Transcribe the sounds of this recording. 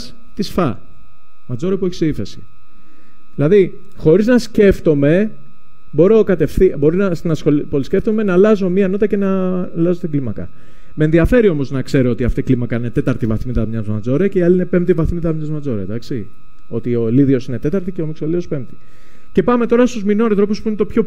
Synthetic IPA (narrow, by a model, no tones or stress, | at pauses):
s | t̪isfɐ̰ | mɐd͡zo̞ɾɐpueçi̥sifesi̥ | ðilɐði | xo̞ɾiznɐsce̞ft̪o̞me̞ | bo̞ɾo̞kɐt̪e̞fθibo̞ɾinɐsnɐsopolisceft̪ome̞nɐlɐzo̞miɐnot̪ɐce̞nɐlɐzo̞t̪iɡlimɐkɐ̰ | menðiɐfe̞ɾio̞mo̞znɐkse̞ɾoot̪iɐft̪iiklimɐkɐinet̪e̞t̪ɐɾt̪ivɐθmit̪ɐmɲɐzmɐd͡zo̞ɾece̞iɐliine̞pempt̪ivɐθmit̪ɐmɲɐzmɐd͡zo̞ɾḛd̪ɐksi | o̞t̪io̞liðio̞sine̞t̪e̞t̪ɐɾt̪iceo̞miksoliðo̞spe̞mt̪i̥ | ce̞pɐme̞t̪o̞ɾɐst̪uzminoanθɾo̞puspuinet̪opço̞